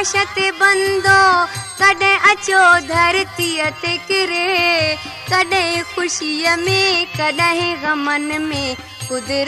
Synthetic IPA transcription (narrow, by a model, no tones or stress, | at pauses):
ʃɐt̪ebɐnd̪okɐɖẽʔɐt͡ʃod̪ʱɐɾt̪ijɐt̪ekɪɾe | kɐɖẽɦẽkʰʊʃijɐmẽkɐɖɐɦẽɡɐmɐnmẽ | kʊd̪ɾ